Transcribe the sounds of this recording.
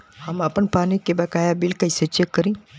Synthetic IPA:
həmapənpaːnikebɐkaːjabilkəjset͡ʃekːəɾĩː

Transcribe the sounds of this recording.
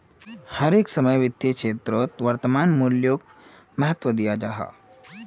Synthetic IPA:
hɐɾeːksəməjʋit̪jekʂet̪ɾot̪ʋɐɾt̪əmaːnmuljoːɡ̚ | mɐɦət̪ʋəd̪ijad͡ʒaɦa̰

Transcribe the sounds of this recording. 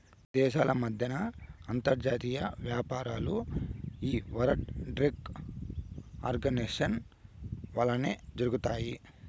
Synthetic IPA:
d̪ɛːʃaːlɐmɐd̪ʱjɐnɐːnt̪ɐɾd͡ʒaːt̪iːjɐʋjaːpaːɾaːluiːʋɐɾɐʈɖɾiɡ | a̰ːɾɡɐneʂɐn | ʋaːlːɐneːd͡ʒɐɾuɡut̪aːji

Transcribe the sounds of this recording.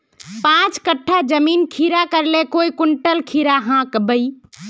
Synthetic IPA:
pãt͡ʃkəʈʰːad͡ʒəminkʰiɾakəɾlekoikuɳʈəlkʰiɾaɦãkbəi

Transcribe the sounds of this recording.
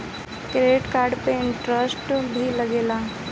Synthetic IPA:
kɾeːʈkaːɾɖpeɪ̃ɳʈɾəsʈbʱilɐɡeːla

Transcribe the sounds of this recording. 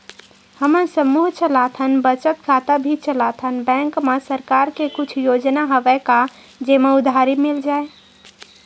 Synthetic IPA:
həmənsəmuɦt͡ʃʰəlat̪ʰənbət͡ʃət̪kʰat̪abʱit͡ʃʰəlat̪ʰənbɛ̃ŋkmesəɾkaɾkekut͡ʃʰjod͡ʒnaɦəbɛka | d͡ʒemeʊd̪ʱaɾimild͡ʒae

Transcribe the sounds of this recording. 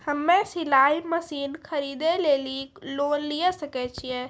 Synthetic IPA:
həmːesilaiməsiːnkʰəɾid̪eleliklonlijəsəkɛt͡ʃʰijɛ̃

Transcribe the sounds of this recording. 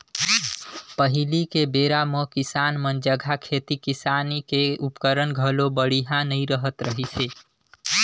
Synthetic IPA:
pəɦilikebeɾamə̃kisanmənd͡ʒəɡʱakʰet̪ikisanikeupkəɾənɡʱəlobəɽiɦãnəiɾəɦət̪ɾəɦit͡ʃʰe

